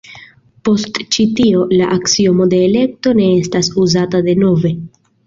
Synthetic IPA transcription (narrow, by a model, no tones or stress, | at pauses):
po̞stt͡ʃitio̞laʔaksiomo̞de̞ːle̞k̚to̞ne̞estasuzatade̞no̞ve̞